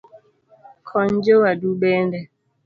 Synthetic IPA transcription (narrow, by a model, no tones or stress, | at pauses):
kʰɔnd͡ʒowaduɓɛndɛ